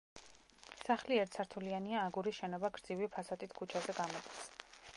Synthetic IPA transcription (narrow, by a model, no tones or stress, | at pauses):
saχliɛɾt̪sʰaɾt̪ʰulianiaːɡuɾiʃɛnɔbaɡɾd̪zivipʰasat̪ʼit̪ʰkʰut͡ʃʰazɛɡamɔt̪ʼis